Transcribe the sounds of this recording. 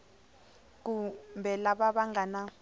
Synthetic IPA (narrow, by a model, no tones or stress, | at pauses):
k̬umbʱɛlaɓaɓaŋɡana